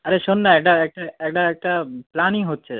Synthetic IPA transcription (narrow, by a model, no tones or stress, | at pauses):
ɐɾeʃonːaɛkʈaek̚ʈaekʈaek̚ʈaplaːnĩŋɡɦot̪ːt͡ʃʰe